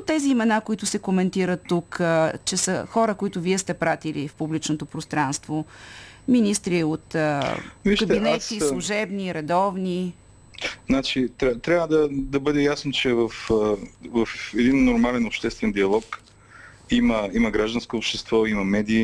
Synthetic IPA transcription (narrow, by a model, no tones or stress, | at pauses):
ot̪ːɛziːmɛnakoit̪ʊsɛkomɛnt̪iɾət̪ːukt͡ʃɛsəxɔɾəkoit̪ʊviɛst̪ɛpɾat̪ilifpublit͡ʃnot̪opɾost̪ɾanst̪vominist̪ɾiot̪əviʃkɐb̪inɛt̪isllˠuʒɛbniɾɛd̪ɔvni | znat͡ʃit̪ɾʲat̪ɾʲavəd̪ɐd̪ɐbɤd̪ɛjasnot͡ʃɛvɐf | vɐfɛd̪inːoɾmalɛnopʃt̪ɛst̪vɛnd̪iɐlˠɔk | iməimɐɡɾaʒd̪ɐnskoːpʃt̪ɛst̪vɔimɐmɛd̪iː